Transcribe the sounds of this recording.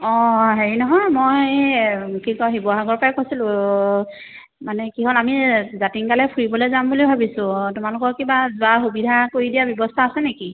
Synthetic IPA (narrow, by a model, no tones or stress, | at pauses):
ɔɦeɹinɔɦɔjmoj | kikɔɦibɔɦaɡɔɹpakosilʊ̃ | manɛkiɦolamizatiŋkalɛpʰuɹibɔlejzambulibʱabisʊ̃tʊmalʊkɔɹkibazʊaxubidʱakoɹidijabjɔbɔstʰaːsɛneki